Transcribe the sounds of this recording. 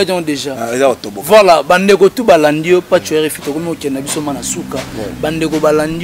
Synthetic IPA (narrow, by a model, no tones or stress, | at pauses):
atɔ̃deʒaezaotobovwalabandekotubalandijopat͡ʃuɛʁefitokomiokɛnabisomanasukabandekobalandi